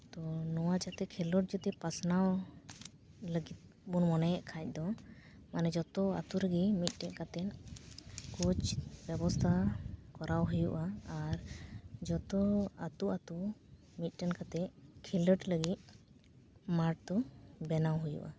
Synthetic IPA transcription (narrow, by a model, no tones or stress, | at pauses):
t̪ɔnɔwat͡ʃat̪ɛkʰɛləʈ̚d͡ʒut̪ɛpasnaw | ləɡit̪̚ | bunmɔnɛʔkʰac̚ˀd̪ɔ | manɛd͡ʒɔt̪ɔa̰t̪uɾəɡimit̪̚ˀʈɛʔkat̪ɛn | kut͡ʃbɛbɔst̪ʰakɔɾawɦujuʔaːɾd͡ʒɔt̪ɔat̪uʔat̪u | mit̪̚ˀʈɛnkat̪ɛkʰɛləʈləɡit̪̚ | maɾʈ̚t̪ɔbɛnawɦujṵʔa